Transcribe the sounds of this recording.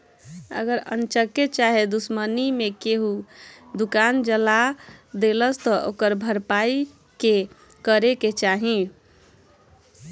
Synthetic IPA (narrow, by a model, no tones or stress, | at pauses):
ə̰ɡəɾə̰nt͡ʃəket͡ʃaɦed̪usmənimekeɦud̪ukand͡ʒəlad̪eləst̪ɔʔokəɾbʱəɾpai | ke | kəɾeket͡ʃaɦĩ